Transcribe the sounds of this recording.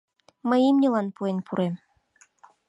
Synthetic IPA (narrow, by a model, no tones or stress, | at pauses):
mə̆jimnʲĕlɑnpuenʲpuɾem